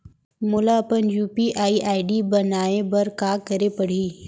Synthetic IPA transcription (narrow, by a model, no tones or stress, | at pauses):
mʊlapənjuːpiʔaːiʔaːɪɖibɐnaːebɐɾkaːkəɾepɐɽ̤iː